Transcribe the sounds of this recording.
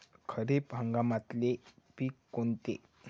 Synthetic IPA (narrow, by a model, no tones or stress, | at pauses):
kʰəɾepɦə̃ŋɡamat̪lepiːkːont̪ḛ